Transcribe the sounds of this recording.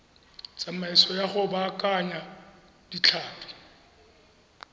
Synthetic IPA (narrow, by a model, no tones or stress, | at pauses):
t͡sʼamaɛsɔjaχʊbakʼaɲa | d̥it͡ɬʰaːpʰi̥